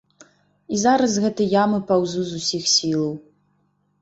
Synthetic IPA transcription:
izaɾɐsɣɛt̪ɨjamɨpawzuzusʲixsʲilˠɐw

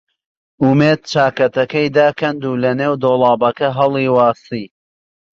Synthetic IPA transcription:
ʔumeːd̪̚t͡ʃaːkɐt̪ɐkɐjd̪aːkʰɐnd̪uːlɐneːwd̪oːlˠɑːbɐkɐɦɐlˠiːwɑːsiː

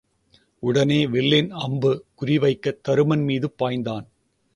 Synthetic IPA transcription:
ʊɽɐneːʋɪlːɪnɐmbɯkʊɾɪʋɐɪkːɐt̪ːɐɾɯmɐnmiːðɯpːaːjnd̪aːn

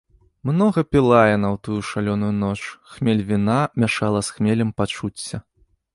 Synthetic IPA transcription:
mnɔɣɐpʲilˠajɛnɐwt̪ujuʂalʲɔnujunɔt͡ʂxmʲelʲvʲinamʲaʂalˠɐsxmʲelʲɛmpat͡ʂut͡sʲːɐ

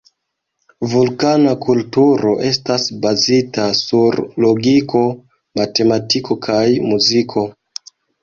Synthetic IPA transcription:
vulkanakʰultuɾo̞ʔe̞stasbazitasuɾlo̞ɡikʰo̞ | mate̞matikʰo̞kʰajmuzikʰo̞

